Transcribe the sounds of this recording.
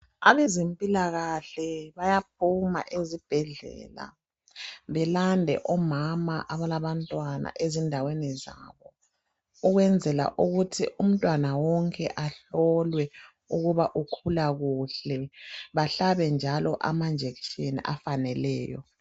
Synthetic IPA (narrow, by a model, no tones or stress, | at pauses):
aβezempʼilaɣaɬɛβajap̚ʰuma̰ʔezib̥ʱɛɮɛ̰ːla̰ | βɛlandʱɛ̰ʔɔmamaʔaβalaβantʼwana̰ʔezindʱawɛnɛza̰βɔ | uɣwɛnd͡zʱɛla̰ʔuɣutʰḭʔum̩tʼwanawɔŋkʼɛʔaɬɔlwɛ | uɣuβaʔukʰulaɣuɬɛβaɬaβɛnd͡ʒʱalɔʔa̰mand͡ʒʱeki̥t͡ʃʼenḭʔafanɛlɛːjɔ̰